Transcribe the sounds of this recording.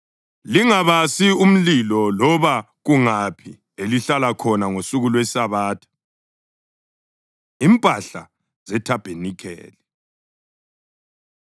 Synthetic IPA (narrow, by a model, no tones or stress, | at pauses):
liŋaβasium̩lilɔlɔβa | ɣuŋapʰi | eliɬalakʰɔnaŋosuɣulwesaβaːtʰḁ | impʼaɬa̰ | z̥ɛtʰab̥ʱenikʰɛ̰ːlɛ